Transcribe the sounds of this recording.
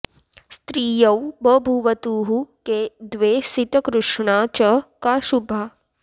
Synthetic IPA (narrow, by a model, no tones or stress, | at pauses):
st̪ɾiːjɐwbɐbʱuʋɐt̪uːɦuked̪ʋeːsit̪ɐkɾuʂɳaːt͡ʃɐkaːʃubʱa